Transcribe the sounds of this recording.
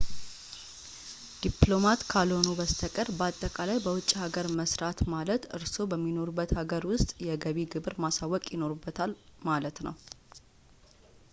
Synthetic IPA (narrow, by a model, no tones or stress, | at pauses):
d̪̥iplo̞mat̪kʰalonobəst̪ʰəkʼəɾbəat̪ʼːəkʼalajbəwʊt͡ʃʼːihaɡəɾməsɾat̪malət̪ʔɨɾso̞bəmːino̞ɾubːət̪haɡəɾwʊst̪ʼjɛɡəβiɡɨβɨɾmasawːɔkʼjɪno̞ɾubːət̪ʰalmalət̪nəw